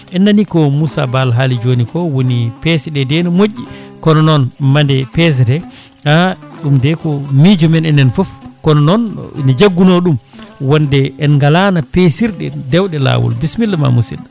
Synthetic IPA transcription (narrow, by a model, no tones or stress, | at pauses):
ʔɛnːanikɔmusa̰balɦalid͡ʒonikɔwonipɛsɛɗɛdɛnɔmoʔːikɔnɔnɔnmandɛpɛs̬ɛdɛ | aɗumdɛkɔmid͡ʒɔmɛnɛnɛnfɔfkɔnɔnɔn̰nɛd͡ʒaɡːunɔɗumwɔndɛɛnŋɡalanapesiɾɗɛdɛwɗɛla̰wṵlbismilːma̰musḭn